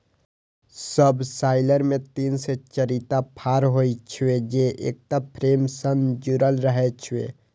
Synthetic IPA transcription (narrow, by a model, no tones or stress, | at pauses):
səbsaɪləɾmẽt̪inset͡ʃəɾit̪apʰaɾɦojt͡ʃʰied͡ʒeʔḛk̚ʈ̪apʰɾemsənd͡ʒuɾəlɾəɦɛt͡ʃʰiwḛ